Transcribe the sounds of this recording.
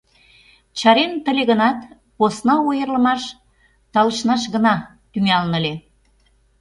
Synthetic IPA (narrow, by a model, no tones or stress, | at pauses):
t͡ɕɑɾent̪ə̆lʲeɣənɑt̪ | posnɑujərlə̆mɑʃ | t̪ɑləʃnɑʃɣənɑ | t̪yŋɑlnəle